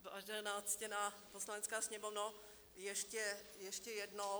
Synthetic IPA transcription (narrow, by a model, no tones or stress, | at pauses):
baʒdɛnat͡scɛnaposlanɛt͡skaːsɲɛmovno | jɛʃcɛjɛʃcɛjɛdno